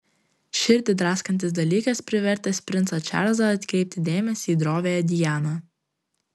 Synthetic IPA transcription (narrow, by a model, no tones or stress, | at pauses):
ʃʲɪɾʲt̪ʲɪd̪ɾɑːskɐnʲt̪ʲɪs̬d̪ɐlʲiːkɐspʲɾʲɪʋʲɛɾʲt̪ʲɛsʲpʲɾʲɪnt̪sɐt͡ʃʲæ̰ɾzɐɐt̪ʲkʲɾʲɛɪp̚ʲt̪ʲɪd̪ʲeːmʲɛsʲiːd̪ɾoːʋʲeːjɛd̪ʲɪjæːnɐ